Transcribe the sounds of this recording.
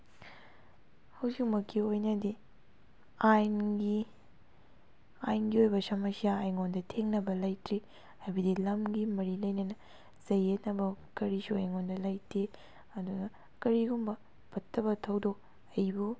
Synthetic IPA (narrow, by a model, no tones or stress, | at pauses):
hɐwzik̚mɐkʰːiojnɐdi | ajnɡi | ajnɡiojbɐsɐmɐsiaːjŋondɐtʰeŋnɐbɐlɐjtɾi | hajbɐdilɐmɡimɐɾilɐjnɐnɐ | z̥ɐjet̚nɐbɐkɐɾisuɐjŋondɐlɐjtʰe | ɐdunɐ | kɐɾiɡumbɐ | pʰɐtːɐbɐtʰɐwdo | ɐjbu